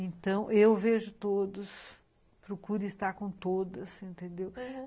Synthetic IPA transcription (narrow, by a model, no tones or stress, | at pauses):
ẽnt̪ɐ̃w̃ʔewveʒʊt̪od̪ʊs | pɾokuɾʊist̪aɾkõt̪od̪ɐsẽnt̪ẽnd̪ew